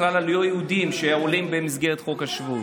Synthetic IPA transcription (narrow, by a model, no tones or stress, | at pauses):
lalalujojehud̪imʃeajaolimbemizɡe̞ʁet̪χo̞khaʃvu